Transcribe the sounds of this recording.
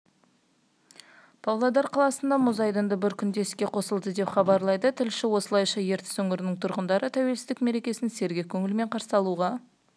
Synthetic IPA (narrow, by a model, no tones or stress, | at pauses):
pʰɑvlˠɑd̪ɑɾqʰɑlˠɑsənd̪ɑmʊzɑjd̪ənd̪əbɪɾkʲʰʏnd̪e̞skʲe̞qʰo̞səlˠd̪əd̪e̞pχɑbɑɾlˠɑjd̪ət̪ʰɪlʃɪwo̞səlˠɑjʃɑje̞ɾt̪ɪ̥sɵŋɪɾɪnɪŋt̪ʰʊɾʁənd̪ɑɾət̪ʰæwe̞lsɪzd̪ɪkme̞ɾe̞kʲe̞sɪnse̞ɾɡʲekʲʰɵŋɪlme̞ɴqʰɑɾsəɑlˠuʁɑ